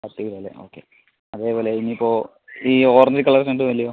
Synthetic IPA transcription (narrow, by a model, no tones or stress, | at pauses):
ɐt̪ːiɣɽoːlḛʔo̰ːkːḛ | ɐðe̞ːpoːle̞iniːpːo̞ː | iːoːrɐɲd͡ʑikːɐɭːɐkʂɐnɖɨʋɐlijɐ